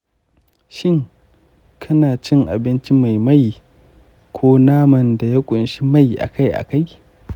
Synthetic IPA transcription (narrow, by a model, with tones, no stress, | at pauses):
ʃɪ˦ŋ | kʰɐ˦naː˨t͡ʃɪ˦ŋʔa̰˨bɪ˦nt͡ʃi˦ma˨jmɐ˦j | kʷʰoː˦naː˦mɐ˨nda˨ja˦kʷʼʊ˨nʃi˦ma˦jʔa̰˨ka˦jʔa̰˨ka˦j